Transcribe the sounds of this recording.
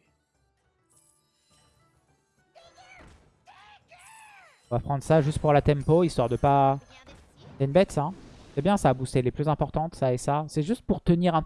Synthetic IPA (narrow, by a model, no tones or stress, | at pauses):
ɔ̃vapχɑ̃d̪ʁsaʒyst̪̚puʁlat̪ɛmpoist̪waʁd̪əpa | t̪ɛnbɛt̪sasɛbjɛ̃saːbust̪eleplyzɛ̃pɔʁt̪ɑ̃t̪saesasɛʒyst̪̚puʁt̪əniʁɛ̃